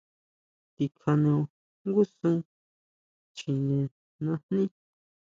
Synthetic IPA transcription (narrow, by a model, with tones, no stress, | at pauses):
t̪i˧kʰa˧nẽ˧o˧ | ŋɡu˦sũ˦ | t͡ʃi˧nẽ˨ | nã˧nnĩ˦